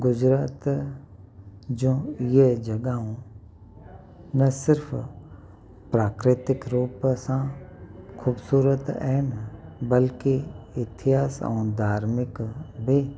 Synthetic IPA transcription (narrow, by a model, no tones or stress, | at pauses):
ɡʊd͡ʒɾaːt̪ | d͡ʒõːjed͡ʒɐɡaɦõ | nɐsɪɾpʰ | pɾaːkɾɪt̪ɪkɾuːpsã | kʰuːbsuːɾət̪ɛːnbəlkiɪt̪ʰɪɦaːsa̰ːnd̪ʱaːɾmɪkbʱi